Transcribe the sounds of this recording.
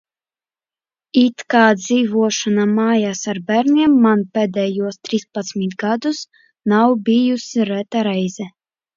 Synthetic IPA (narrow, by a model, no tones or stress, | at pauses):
it̪kaːd̪ziːvuɔʃanamaːjaːsaɾbæɾnʲiɛmːanpʲɛːd̪ʲɛjuɔst̪ɾispat̪smʲit̪ɡad̪us | nawbʲijusʲiɾɛt̪aɾɛjzɛ